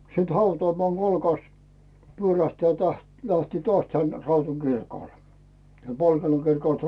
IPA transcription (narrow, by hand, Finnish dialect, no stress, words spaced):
siːt hɑutŏɑˑmoɑˑŋ ɡ̊olkɑst pyøræhtæː tæht læhtiː toɑs tæn rɑutun ɡ̊irkoˑl siel polteno kirkoˑlt